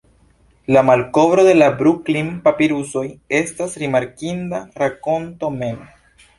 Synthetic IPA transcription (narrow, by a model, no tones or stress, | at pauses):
lamalko̞vɾo̞d̪e̞labɾuklinpapiɾuso̞je̞stasɾimaɾkindaɾako̞nto̞me̞ma